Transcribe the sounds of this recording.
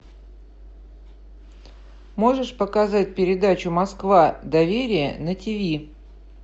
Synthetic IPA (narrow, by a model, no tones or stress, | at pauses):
mo̞ʐɨʂpəkɐzat̚ʲpʲɪɾʲɪd̪at͡ɕʊmɐskvad̪ɐvʲeɾʲɪjə̰nətʲɪvʲi